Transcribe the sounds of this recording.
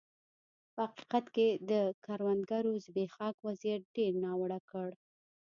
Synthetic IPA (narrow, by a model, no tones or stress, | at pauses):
pəhaqi̥qat̪ked̪əkaɾwand̪ɡaɾozbexɑkwazijat̪̚ɖeɾnɑwaɽakəɽ